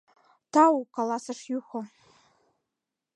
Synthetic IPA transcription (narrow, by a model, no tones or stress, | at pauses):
tʰawukʼalasaʂjuχʷo